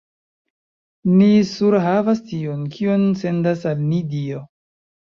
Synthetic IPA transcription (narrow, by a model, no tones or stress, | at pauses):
nisuɾɦavastionkʰionse̞ndasalnidio